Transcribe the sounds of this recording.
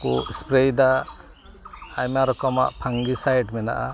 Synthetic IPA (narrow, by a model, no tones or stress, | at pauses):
kuʔspɾejd̪a | ajmaɾɔkɔma̰ʔpʰaŋɡisajɖmɛna̰ʔa̰